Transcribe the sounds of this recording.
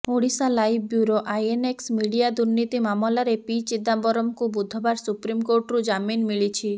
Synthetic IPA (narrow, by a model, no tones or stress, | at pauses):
oɽisalajb̚bjuɾoʔajeneksmiɽijad̪uɾnit̪imamɔlaɾepit͡ʃid̪abɔɾɔmkubud̪ʱːɔbaɾsupɾimkoɾʈɾud͡ʒaminmiɭit͡ʃʰi